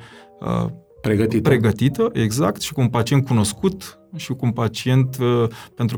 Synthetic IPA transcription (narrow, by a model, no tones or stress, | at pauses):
ə̰ | pɾeɡət̪ipɾe̞ɡət̪it̪əʔe̞ɡza̰kt̪ʃi̥kumpat͡ʃiet̪̚kuno̞skut̪ | ʃikumpat͡ʃie̞nt̪pe̞nt̪ɾ